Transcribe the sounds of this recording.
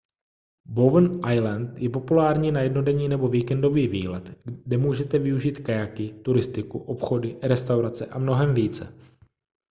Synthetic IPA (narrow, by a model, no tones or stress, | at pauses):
bovnʔajlant̪jɛpo̞pulaːɾɲiːnajɛdno̞dɛɲiːnɛbo̞viːkɛndo̞viːviːlɛt̪dɛmuːʒɛt̪ɛvɪuʒiːt̪kajakɪt̪uɾɪst̪ɪkuʔo̞pxo̞dɪɾɛst̪awɾat͡sɛʔamno̞ɦɛmviːt͡sɛ̰